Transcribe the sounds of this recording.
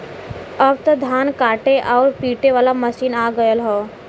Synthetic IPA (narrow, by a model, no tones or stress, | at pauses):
əbt̪od̪ʱaːnkaːʈeʔɔːɾpiːʈeʋaːlaməʃiːnaːɡəjəlɦoː